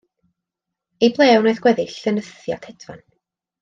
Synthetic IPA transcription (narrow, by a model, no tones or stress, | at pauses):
ejblˠɛːwnojðɡwɛðɪɬənəθja̰tʰɛdva̰n